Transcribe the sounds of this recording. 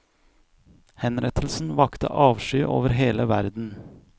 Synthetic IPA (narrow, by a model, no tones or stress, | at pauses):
hɛnɾɛt̪ʰlsn̩ʋɑkt̪ə̰ʔɑːʋʃyːʔo̰ːʋəɾɦeːləʋæɾd̪n̩